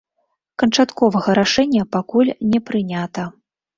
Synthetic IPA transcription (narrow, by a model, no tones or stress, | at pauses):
kɐnt͡ʂat̪kɔvɐɣɐɾaʂɛnʲːɐpakulʲnʲɛpɾɨnʲat̪ɐ